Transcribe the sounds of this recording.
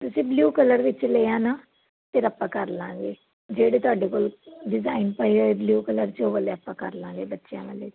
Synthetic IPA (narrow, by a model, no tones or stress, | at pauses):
t̪ʊsĩːbluːkələɾʋɪt͡ʃleːãːnaː | pɪɾəpːãːkəɾlãːŋɡeː | d͡ʒeːɽeːt̪ʊaːɖeːkoːlɖɪzaːinpəioːebluːkələɾt͡ʃoːʋəleːəpːãːkəɾlãːŋɡeːbətːʃjã̰ːʋəleː